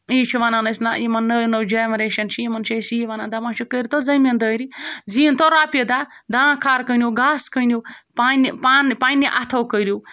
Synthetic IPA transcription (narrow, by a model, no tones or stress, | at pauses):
it͡ʃʰiʋananɐsnajimɐnːɐnəwd͡ʒeːmɾeːʃɐnt͡ʃʰijimɐnt͡ʃʰesiiʋanand̪amãːt͡ʃʰukəɾʲt̪ozɐmʲɐnd̪əːɾid͡ziːnt̪oɾaːpʲed̪a | d̪ãːkʰaːɾkənʲjoɡaːskənʲjopaːnipaːnpaːnʲiʔɐt̪ʰɐwkəɾjo